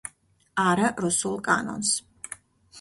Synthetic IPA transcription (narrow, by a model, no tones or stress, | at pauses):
aɾaɾusulˠkʼanɔ̰ns